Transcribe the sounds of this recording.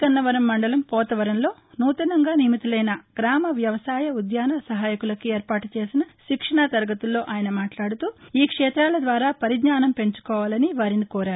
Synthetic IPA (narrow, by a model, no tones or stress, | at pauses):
kɐnːɐʋɐɾɐmːɐɳɖɐlɐmpɔːt̪ɐʋɐɾɐnlo̞ːnuːt̪ɐnɐŋɡaːnimit̪ulɐjnɐɡ̥ɾaːmɐʋjɐʋɐsaːjɐud̪jaːnɐsɐɦaːjɐkulɐkieːɾpaːʈut͡ʃe̞ːsinɐʃikʂɐɳat̪ɐɾɡɐt̪ulːo̞ːʔaːjɐnɐmaːʈlaːɽut̪uːiːkʂɛːt̪ɾaːlɐd̪ʋaːɾaːpɐɾid̪ɲaːnɐmpe̞ɲt͡ʃu̥kɔːʋaːlɐniʋaːɾinikɔːɾaːɾu